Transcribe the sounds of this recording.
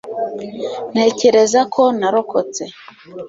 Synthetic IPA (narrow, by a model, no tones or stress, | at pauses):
neːceɾezakʰonaɾokot͡se